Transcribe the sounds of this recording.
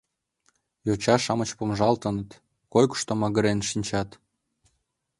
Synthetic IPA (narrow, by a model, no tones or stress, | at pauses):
jot͡ɕɑʃɑmət͡ɕpomʒɑlt̪ənə̆t̪ | kojku̥ʃt̪omɑɣə̆ɾenʃinʲt͡ɕɑt̪